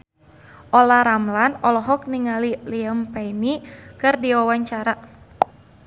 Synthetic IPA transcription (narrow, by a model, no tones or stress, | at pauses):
ʔɔlaɾamlanɔlɔɦɔk̚niŋaliliəmpajnikɨrdiwawaɲt͡ʃaɾa